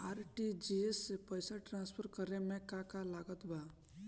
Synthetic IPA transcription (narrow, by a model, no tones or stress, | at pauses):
aɾʈid͡ʒiesːepəjsaʈɾãnspʰəɾkəɾemẽkakalaɡət̪ba